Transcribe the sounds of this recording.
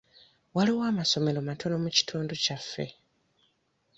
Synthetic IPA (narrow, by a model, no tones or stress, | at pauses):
waliwaːmaso̞me̞lo̞matʰo̞no̞muci̥tʰuːnducafːe̞̰